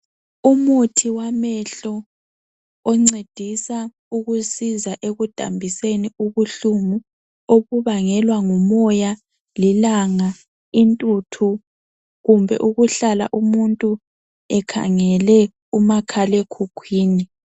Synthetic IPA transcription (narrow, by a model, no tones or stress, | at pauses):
umutʰiwamɛɬɔ | ɔŋ͡ǀed̥ʱisa | uɣusizaʔeɣud̥ʱa̰mbʱiseniuβuɬumu | oɣuβaŋɛlwaŋɔmɔja | lilaŋa | intʼutʰu | ɣumbʱɛ̰ʔuɣuɬala̰ʔumuntʼu | ɛkʰa̰ŋɛlɛ | umakʰalekʰukʰwiːni